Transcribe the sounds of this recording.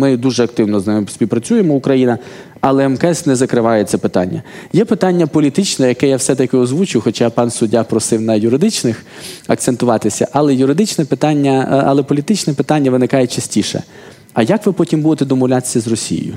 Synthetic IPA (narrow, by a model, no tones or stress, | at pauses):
mɪd̪uʒɛɐk̚t̪ɪwnɔznɪmɪsʲpʲiwpɾɐt͡sʲujemɔʊkɾɐjinɐ | ɐlˠɛɛmkɛsnɛzɐkɾɪʋɑjɛt̪sɛpɪt̪ɑ̰nʲːɐjɛpɪt̪ɑnʲːɐpɔlʲit̪ɪt͡ʃnɛjɐkɛjawsɛt̪ɐkʲɪɔzʋut͡ʃʊjwxɔt͡ʃapɑnsʊdʲːapɾɔsɪwnɐjʊɾɪd̪ɪt͡ʃnɪxɐkt̪sent̪ʊʋɑt̪ɪsʲɐʔɐlˠɛjʊɾɪd̪ɪt͡ʃnɛpɪt̪ɑnʲːɐɐ̰lˠɛpɔlʲit̪ɪt͡ʃnɛpɪt̪anʲːɐʋɪnɪkɑjɛt͡ʃɐsʲtʲiʃɛ̰ | ɐjakʋɪpɔtʲimbud̪et̪ɛd̪ɔmɔʋlʲat̪ɪ̥sʲːɐzrɔsʲḭj̰jʊ̰